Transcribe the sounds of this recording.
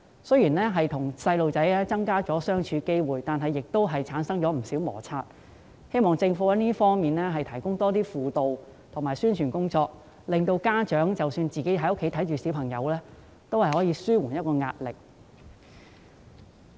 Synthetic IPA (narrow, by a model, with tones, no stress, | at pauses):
sɵ˥jiː˨˩nlɛː˥ɦɐ˨jt̪ʰʊ˨˩ŋsɐ˧jlo˨wt͡sɐ˨˥jɛː˥t͡sɐ˥ŋkaː˥t͡ʃɔː˨˥sœː˥ŋt͡ʃʰyː˨˧ke˥jwuː˨˩jt̪aː˨nɦɐ˨jːɪ˨k̚t̪o˥wɦɐ˨jt͡sʰaː˨˥nsɐ˥ŋt͡ʃɔː˨˥m̩˨˩siː˨˥wmɔ̰ː˨˩t͡sʰaː˧t̚ | he˥jmɔː˨ŋt͡sɪ˧ŋfuː˨˧˥ɐ˨˧˥niː˥fɔː˥ŋmiː˨nlɛː˥ɦɐ˨jt̪ʰɐ˨˩jkʊ˥ŋt̪ɔː˥t̪iː˥fuː˨t̪o˨w | t̪ʰʊ˨˩ŋmaː˨˩jsyː˥nt͡ʃʰyː˨˩nkʊ˥ŋt͡sɔː˧k̚ | lɪ˨ŋt̪o˧wkaː˥t͡ʃœː˨˥ŋt͡sɐ˨wsyː˧nt͡siː˨ke˨˥jɦɐ˨˥jʊ˥kʰːe˨˥jt̪ʰɐ˨˥jt͡ʃyː˨si˨˥wpʰɐ˨˩ŋjɐ̰˨˧wlɛː˥ | t̪o˥whɐ˨jɦɔː˨˥jiː˨˧˥syː˥wu˨˩njɐ˥t̚kɔː˧ŋa̰ː˧t̚lɪ˨k̚